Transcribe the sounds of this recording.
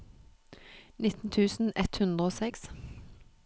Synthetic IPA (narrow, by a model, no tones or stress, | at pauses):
nɪt̪n̩t̪ʰʉːsn̩ɛt̪hʉnd̪ʁəoːsɛks